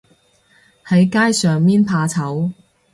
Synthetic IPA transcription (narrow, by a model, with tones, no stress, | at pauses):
hɐ˨˥jkaː˥jsœː˨ŋmiː˥npʰaː˧t͡sʰɐ˨˥w